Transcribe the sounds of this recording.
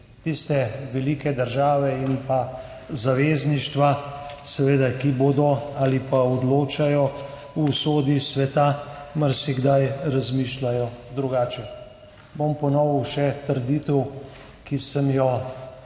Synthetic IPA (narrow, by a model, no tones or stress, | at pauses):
t̪ist̪ɛʋɛliːkɛd̪əɾʒaːʋɛinpa | zaʋeːzniʃt̪ʋasɛʋeːd̪akiboːd̪ɔaːlipaɔd̪loːt͡ʃajɔ | usoːd̪isʋɛt̪amaɾsiɡd̪ajɾazmiːʃlajɔd̪ɾuɡaːt͡ʃɛ | bompɔnɔwuʃɛt̪əɾd̪it̪əw | kisəmjɔ